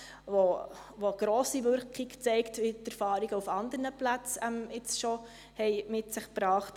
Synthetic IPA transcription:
vo | voɡ̥ɾoːsiʋʏɾkiɡt͡sɛɪktʋitɛɾfɑːɾiɡəufɑnd̪əɾnəplæt͡sɛmɪt͡sʃo | hɛɪmɪtsɪχpɾɑːχt

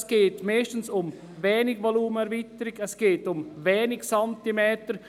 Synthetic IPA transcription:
sɡ̥eːtmɛːʃtən̩sʊm | vɛːnɪɡvoluːməɛɾvitəɾɪɡɛsɡ̥eːtʊmvɛːnɪksɑntimɛːtəɾ

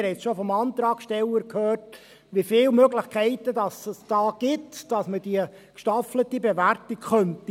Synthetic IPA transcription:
hɛtsʃofɔmɑnt̪ɾɑːkʃtɛləɾkʰhøːrt | ʋifɪːlmøɡlɪχkʰɛɪtədɑsəsd̥ɑːɡ̥ɪtd̥ɑsməd̥iə | kʃtɑflətibeʋærtikχœnti

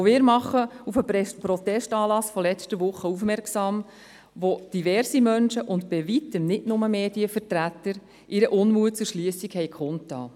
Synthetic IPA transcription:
oʋɪːɾmɑχːəufəpɾɔt̪ɛʃtɑːlɑsfɔlɛt͡stəʋʊχəufmɛrksɑːm | ʋod̥iʋɛɾsimœnʃəʔʊntbɪʋitəmnɪtnʊməmeːdiəfəɾtɾætəɾ | ʔɪɾəʔʊnmuət̚t͡sʊɾʃliːəsikhɛjkʰχʊntːɑ̰ː

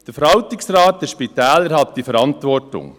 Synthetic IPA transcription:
d̥əɾfəɾɑltɪksɾɑːt̚dəʃpitɛːləɾɦɑt̚d̥ifəɾɑntʋɔrtʊ̰ŋ

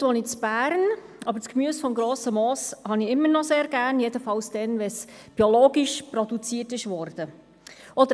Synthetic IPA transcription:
ʋonit͡sb̥æːɾn | ɑbəɾt͡skmyːəsfɔmɡɾoːsəmoːshɑniɪmːəɾnɔseːɾɡæːɾnjedəfɑwsd̥ɛnʋɛs | b̥iɔloːɡiʃprɔd̪ut͡siːtɪʃʋɔɾd̥ə | ɔdə

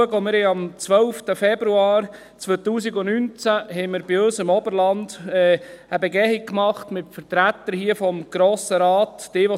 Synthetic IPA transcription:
əɡəomɪɾhɛɑmt͡sʋœlftəfɛbɾuaːɾ | t͡sʋøːt̪uːsiɡʊnynt͡sæɦɛɪmɪɾbɪøsɪmɔbəɾlɑnd̥ɛːəbɛɡɛhik̚kmɑχtmɪtfəɾtɾæt̪ːəɾhiəfɔmɡ̥ɾoːsəɾaːtːɪːʋɔ

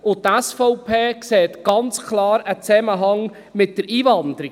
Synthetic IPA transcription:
ʊt̪ːæsfɔʊpʰeːkseːt̪ɡ̥ɑnt͡skʰlɑːɾət͡sɛməɦɑŋ | mɪt̚d̥əɾiːvɑnd̪əɾi

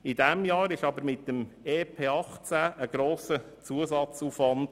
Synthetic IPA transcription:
ɪdɛmjɑːɾɪʃɑbəɾmɪt̚dəmeːpʰeːɑχt͡sæːʔəɡ̥ɾoːsə | t͡suəsɑt͡suːfʋɑnd̥

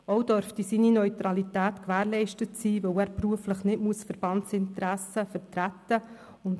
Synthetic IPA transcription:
ɔwd̥œɾft̪isiːninœʏt̪ɾɑlitæːt̪kʋæːɾlɛɪʃtətsiːvœwæːɾpɾuəfləχnɪtmuəsfəɾb̥ɑntsɪnt̪ɾæsəfəɾtɾæt̪ːə | ʊnd

